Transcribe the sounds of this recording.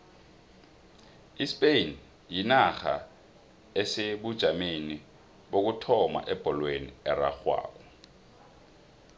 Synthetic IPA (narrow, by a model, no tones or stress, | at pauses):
ispʼen | jinaxa̰ | ɛseɓud̥ʒ̥ʱamini | ɓok̬utʰɔma̰ʔɛb̥ʱɔlweniɛra̰xwa̰ːk̬ɔ